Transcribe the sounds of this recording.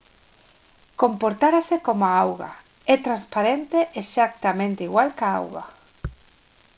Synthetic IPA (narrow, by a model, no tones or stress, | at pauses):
kompoɾt̪aɾasekomaawɣa̰ | ɛt̪ɾanspaɾent̪eʔeʃak̚t̪amẽnt̪eiɣwalkaa̰wɣa̰